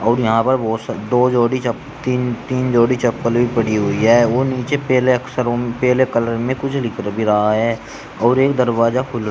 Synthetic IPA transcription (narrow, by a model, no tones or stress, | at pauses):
ɔːɾjɐɦãpɐɾboːsd̪oːd͡ʒoːɽit͡ʃə | t̪iːnt̪iːnd͡ʒoːɽit͡ʃɐpːəlbʱipəɽiɦʊiɦɛːoːniːt͡ʃepɛːleɐksəɾpɛːlekələɾmẽkʊt͡ʃʰlɪkɾbʱiɾɐɦaɦɛː | ɔːɾeːk̚d̪əɾʋaːzakʰʊl